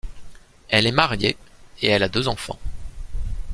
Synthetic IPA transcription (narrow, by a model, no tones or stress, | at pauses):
ɛlɛmaʁjeeɛlad̪øzɑ̃fɑ̰̃